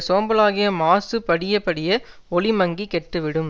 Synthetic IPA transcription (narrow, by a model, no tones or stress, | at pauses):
soːmbɐlaːɣɪjɐmaːsɯpɐɽɪjɐpɐɽɪjɐ | ɔɭɪmɐŋɡikɛʈːɯʋɪɽɯm